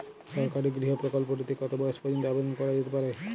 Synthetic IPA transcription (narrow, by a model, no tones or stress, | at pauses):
ʃɔɾkaɾeɡɾiɦopɾokolpoʈit̪ikɔt̪obɔeʃpɔd̪int̪oabed̪onkɔɾad͡ʑet̪epaɾe